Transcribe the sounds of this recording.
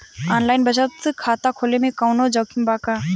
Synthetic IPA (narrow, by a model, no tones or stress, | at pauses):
aːnlaːɪnbɐt͡ʃət̪sɨkʰaːt̪akʰoːlemẽkɐʊnod͡ʒəwkʰimbaːka